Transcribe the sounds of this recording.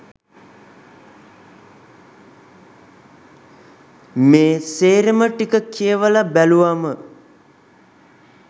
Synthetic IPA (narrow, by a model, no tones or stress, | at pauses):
meːseːɾeməʈikəkʰiəʋəlabæluʋamə